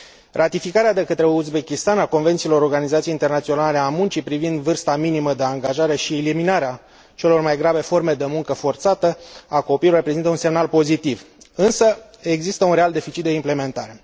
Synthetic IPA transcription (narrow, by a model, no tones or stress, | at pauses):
rʔat̪ifikaɾead̪e̞kət̪ɾe̞uzbe̞kʲist̪anako̞nvent̪silo̞ɾorɡanizat̪sieint̪e̞rnat̪sio̞nale̞amunt͡ʃipɾivind̪vɨrst̪aminiməd̪e̞aŋɡaʒaɾe̞ʃieliminaɾea | t͡ʃe̞lo̞rmajɡɾabe̞fo̞rme̞d̪e̞muŋkəfo̞rt̪sat̪əako̞pilorepɾezint̪əunse̞mnalpo̞zit̪iv | ɨnsə | e̞ɡzist̪əunɾe̞ald̪e̞fit͡ʃit̪̚d̪e̞imple̞me̞nt̪aɾe̞